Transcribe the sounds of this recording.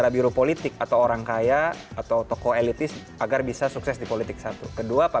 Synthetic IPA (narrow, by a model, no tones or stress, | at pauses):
aɾabiɾopolit̪ɪk̚at̪awoɾaŋkajaat̪awt̪okoelit̪ɪs | aɡarbisasuksɛsdipolit̪ɪk̚sat̪ukəduapa